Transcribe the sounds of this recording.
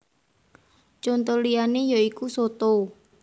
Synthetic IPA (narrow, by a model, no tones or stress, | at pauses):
t͡ʃɔnt̪ɔlijanejaikusot̪ou